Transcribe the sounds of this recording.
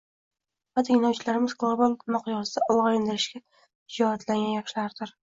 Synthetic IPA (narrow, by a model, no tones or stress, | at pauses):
vat̪ʰɪŋʲlawt͡ʃʰɪlaɾɪmɪz̥ɡlˠobalˠmɑqʰjɒsɪd̪aʔɒwʁɑɾɪnd̪ɪɾɪʃɡʲa | ɪd͡ʒɒhat̪laŋɡʲanjɑχʃɪlaɾd̪ɪɾ